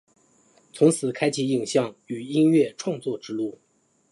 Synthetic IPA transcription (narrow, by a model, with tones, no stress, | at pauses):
t͡sʰʊ˧˥ŋt͡sʰɹ̩˨˩kʰa˥ɪt͡ɕʰi˧˥i˨˩ŋɕjɑ˥˩ŋy˨˩i˥nɥɛ˥˧ʈ͡ʂʰwɑ˥˧ŋt͡swɔ˥˧ʈ͡ʂɻ̩˥lu˥˩